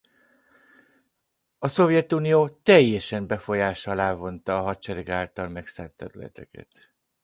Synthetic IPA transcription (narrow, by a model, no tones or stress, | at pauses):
ɒso̞vjɛt̪uːnijoːt̪ɛjːɛʃɛmbɛfo̞jaːʃɒlaːvo̞nt̪ɒːɦɒt͡ʃɛɾɛɡaːlt̪ɒlmɛksa̰ːrt̪ːɛɾylɛ̰t̪ɛ̰kɛ̰t̪